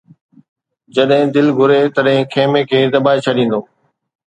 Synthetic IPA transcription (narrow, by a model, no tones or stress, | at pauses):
d͡ʑɐɗɦɪ̃d̪ɪlɡʱʊɾet̪ɐɗɦɪ̃kʰeːmekʰeːd̪ɐbaːet͡ɕʰɐɗĩːn̆d̪oː